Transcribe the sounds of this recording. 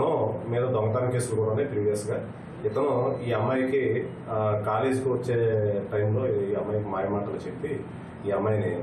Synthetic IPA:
numiːd̪ɐd̪ɔŋɡɐt̪aːnkeːsulukuːɽɐɳipɾiːʋijɐsɡaː | ɪt̪ɐnuiːɐmːɐjki | kaːleːd͡ʒkiʋɐt͡ʃːeːʈɐjmlo̞ːiːɐmːɐjkimaːjɐmaːʈɐlut͡ʃepːiː | ɐmːɐjini

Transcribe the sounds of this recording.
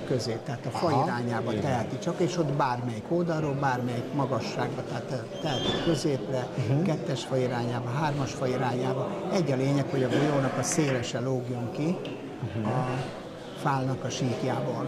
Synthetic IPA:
køzeːp̚t̪ɛaːt̪ɒfɒjiɾaːɲaːbɒt̪ɛɦɛt̪it͡ʃɒkeːʃo̞t̪baːrmɛjikold̪ɒɾoːbaːrmɛjikmɒɡɒʃːaːɡbɒt̪ɛaːt̪ | t̪ːɛɦɛt̪ikkø̞zeːprɛkɛt̪ːɛʃfɒjiɾaːɲaːbɒɦaːrmɒʃfɒjiɾaːɲaːbɒɛɟːɒleːɲɛkho̞ɟɒbojoːnɒkɒseːlɛʃɛloɡjuŋki | ɒ | faːlnɒkɒʃiːkjaːbɒl

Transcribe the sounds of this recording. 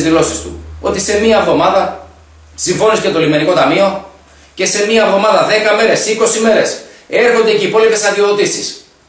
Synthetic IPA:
zðilo̞sist̪ṵo̞t̪ise̞miɐvðo̞mɐðɐ | siɱvo̞niscet̪o̞lime̞niko̞t̪ɐmio̞ | ce̞se̞miɐvðo̞mɐðɐðe̞kɐme̞ɾe̞siko̞sime̞ɾe̞se̞ɾxo̞nd̪eceipo̞lipe̞sɐðioot̪isis

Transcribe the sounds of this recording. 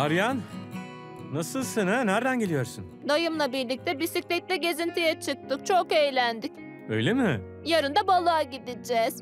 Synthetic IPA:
aɾjan | asɯlˠsenɛnæɾd̪ænɟe̞lʲijo̞ɾsun | d̪ajɯmlˠabiɾlʲic̚t̪ʰɛbisiclʲɛc̚lʲɛɟe̞zint̪ʰijɛt͡ʃʰɯk̚t̪ʰɯk̚t͡ʃʰokejlʲænd̪ic̚ | ø̰jlʲemɪ | jaɾɯnd̪abalˠaːɟid̪id͡ʒɛz̥

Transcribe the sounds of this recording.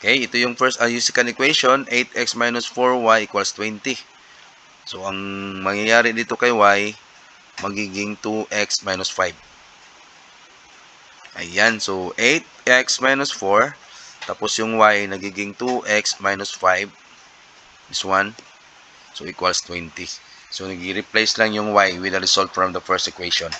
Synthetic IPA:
ʔokejɪt̪ojʊŋfɛɹst̪ɐjusɪkɐnɪkwejʃonʔejt̪̚ʔɛksmajnʊsfoɹwajʔɪkwalst̪wɛnt̪ɪ | soʔɐŋmɐŋjajaːɾɪd̪iːt̪o̞kɐjwaj | mɐɡiːɡɪŋt̪uʔɛksmajnʊsfajb̚ | ʔɐ̰jjansoʔejt̪̚ɛksmajnʊsfoɹt̪aposjʊŋwajnɐɡiːɡɪŋt̪uʔɛksmajnʊsfajb | ɪswan | soʔɪkwalst̪wɛnt̪i | sonɐɡiɾɪplajslaŋjʊŋwajwɪd̪ɐɾɪsolt̪fɹɐmd̪ɐfɛɹst̪ɛkwejʃon

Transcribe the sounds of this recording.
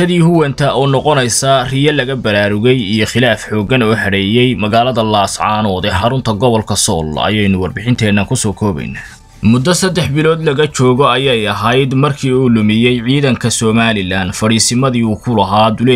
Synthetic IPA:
ɐðiːhʊwɐnt̪ʰɐʔɔːnɔqɔnɛjsɐrɪjɐlɐɣɐbɐɾaːɾʊɣɛjijɔχɪlaːfħɔːɡɐnɔːħɐɽɛːjɛjmɐɣaːlɐðɐlɐːsʕɑːnɔːðɛħɑɾʊnt̪ʰɐɡɔβɔlkʰɐsɔ̰ːl̰ɐ̰jɛjnʊwɑrbɪħɪnt̪ʰɛːnːɐkʰʊsɔːkʰɔːβɛ̰jnːa | mʊd̪ːɐsɐd̪ːɛħbɪlɔːd̪lɐɣɐt͡ʃɔːɣɔɐjɛjɐɦɐjd̪mɐrkʰiːuːlʊmɪjɛjʕiːðɐŋkʰɐsɔːmaːlɪlaːnfɐɽiːsɪmɐðiːuːkʰʊlɐɦaːd̪ʊlɛ

